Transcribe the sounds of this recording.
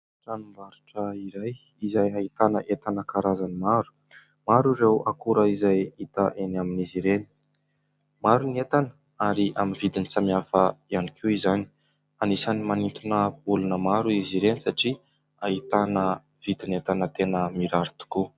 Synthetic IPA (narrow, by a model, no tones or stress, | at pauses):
ʈ͡ʂanumbaɾu̥ʈ͡ʂəiɾaj | izajaɦit̪anəʔet̪anəkaɾazanimaɾu̥ | maɾuɾewakuɾəizajit̪əʔenaminiziɾeni̥ | maɾuniet̪anə | aɾiʔaminvid̪inisamiafəianikʰiizani̥ | anisanimanint̪unəbulunəmaɾuiziɾenisaʈ͡ʂi | ait̪anə | v̥id̪inet̪anət̪enəmiɾaɾit̪u̥ku